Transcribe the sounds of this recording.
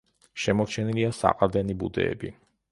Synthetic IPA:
ʃɛmɔɾt͡ʃʰɛniliasa̰qʼad̪ɛnibṵd̪ɛ̰ːbḭ

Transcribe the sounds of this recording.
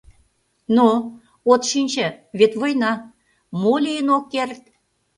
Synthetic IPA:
no | ot̪ʃinʲt͡ɕə̆βet̪βojnɑ | molijənokːert̪̚

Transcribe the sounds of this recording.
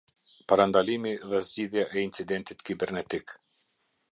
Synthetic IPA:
paɾand̪alimiðɛzɟiðjaʔɛint͡sid̪ɛnt̪it̪kibɛɾnɛt̪ik

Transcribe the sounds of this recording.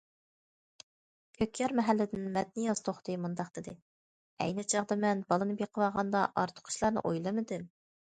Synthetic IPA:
kʲʰøkʲjɛɾmɛɦælːɪd̪ɪnmɛt̪̚nɪjɑzt̪ʰoχt̪ɨmund̪ɑqd̪̥ɪd̪ɪ | ɛ̰jnɪt͡ʃʰɑʁd̪ɑmɛnbɑlˠɨnɨbjeqʰəwɑʁɑnd̪ɑʔɑ̰ɾt̪ʰʊ̥qʰʊ̥ʃlˠɑɾnɨ̰ʔojlˠɨmɨd̪ɪm

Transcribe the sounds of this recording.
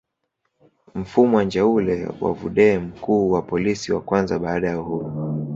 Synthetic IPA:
m̩fumɔand͡ʒaulɛ̰wa̰vṵɗɛːm̩kuːwapɔlisiwa̰kwanzaɓaːɗajauhuɾu

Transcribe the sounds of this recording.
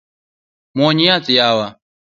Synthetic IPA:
mɔɲiat͡sɪjawa

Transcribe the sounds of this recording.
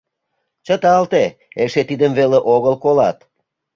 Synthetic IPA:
t͡ɕət̪ɑlt̪e | eʃet̪id̪əmveleʔoɣəlkolɑt̪

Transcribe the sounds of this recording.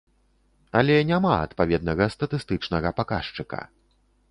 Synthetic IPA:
ɐlʲɛnʲamaɐ̰t̪pavʲɛd̪̚nɐɣɐst̪ɐt̪ɨst̪ɨt͡ʂnɐɣɐpakaʂt͡ʂɨkɐ̰

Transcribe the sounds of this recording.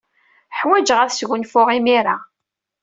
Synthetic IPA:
ħwæd͡ʒʁæɾsʝʊnfʊʁimiɾa

